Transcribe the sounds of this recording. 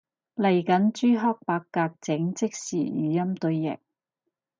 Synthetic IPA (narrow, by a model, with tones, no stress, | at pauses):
lɐ˨˩jkɐ˨˥nt͡ʃyː˥ɦɔː˥k̚paː˧kːaː˧k̚t͡sɪ˨˥ŋt͡sɪ˥k̚siː˨˩jy̰ː˨˦jɐ˥mt̪ɵ˧ɥjɪ̰˨˩k̚